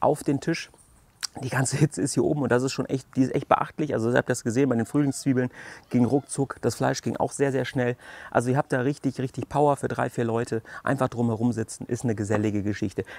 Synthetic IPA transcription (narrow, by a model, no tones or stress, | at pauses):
ʔa̰ʊfd̥eːmntʰɪʃ | d̥iːɡant͡səhɪt͡səɪsthiːɐʔo̰ːbm̩ʊntd̥as̬ɪstʃoːnʔɛçt̚d̥iːɪstʔɛ̰çt̚b̥ə̰ʔa̰χtlɪçʔa̰lzoɪhaːptːdasɡ̥əzeːnbaɪdeːnfʁ̥yːlɪŋst͡sv̥iːbl̩nɡ̥ɪŋʁʊk̚t͡sʊkd̥asflaɪʃɡ̥ɪŋʔa̰ʊxz̥eːɐzeːɐʃnɛlʔa̰lzoiːɐɦhaːp̚td̥aːʁɪçtɪçʁɪçtɪçpʰaʊɐfyːɐdʁa̰ɪfiːɐlɔʏtʰəʔa̰ɪnfaχd̥ʁʊmhɛʁʊmzɪt͡sn̩ʔɪstnəɡəzɛlɪɡəɡəʃɪçtə